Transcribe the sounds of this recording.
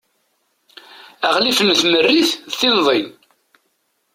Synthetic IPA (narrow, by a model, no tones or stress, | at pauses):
æʁlifənθmərːiθθinðˤin